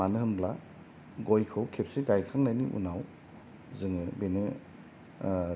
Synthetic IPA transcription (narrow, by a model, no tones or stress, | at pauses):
anɯɦɯmbla | ɡɔjkʰɯwkʰep̚seɡajkʰaŋnajniʔṵnaw | zɯŋɯbenɯ